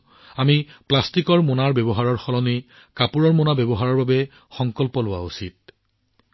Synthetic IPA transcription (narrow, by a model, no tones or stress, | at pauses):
amiplastikɔɹmonaɹbɛbɔɦaɹɔɹxɔlɔni | kapuɹɔɹmonabɛbɔɦaɹɔɹbabɛ | xɔŋkɔlpɔlʊwa̰usit̚